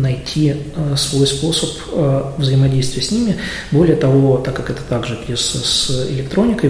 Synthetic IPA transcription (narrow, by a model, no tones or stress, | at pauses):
nɐjtʲʰiəsvo̞jspo̞səp | əvzəɪmɐdʲejst̪vʲɪjəsʲnʲimʲɪ | bo̞lʲɪjət̪ɐvo̞t̪akːakɛt̪ə̥t̪aɡʐɨpʲlʲɪsəsɪ̰lʲɪk̚t̪ɾo̞nʲɪkə